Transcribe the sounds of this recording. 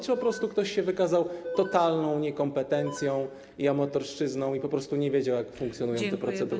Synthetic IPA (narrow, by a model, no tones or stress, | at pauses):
t͡ʃpɔpɾɔst̪ukt̪ɔɕɕɛvɘkazawt̪ɔt̪alnɔ̃w̃ɲɛkɔmpɛt̪ɛnt̪sʲjɔ̃w̃ | iamɔt̪ɔɾʂt͡ʂɘznɔ̃w̃ipɔpɾɔst̪uɲɛvʲjed͡ʑawjakfuŋk̚t̪ʲjɔnujɔ̃w̃t̪ɛpɾɔt̪sɛd̪uɾ